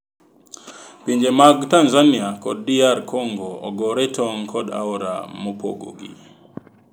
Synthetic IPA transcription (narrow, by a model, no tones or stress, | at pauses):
piɲd͡ʒemaɡtanzaniakɔ̰dːiaɾkoŋɡoɔ̰ɡɔɾɛtʰɔŋkʰɔda̰ɔɾa̰mopo̰ɡo̰ɡḭ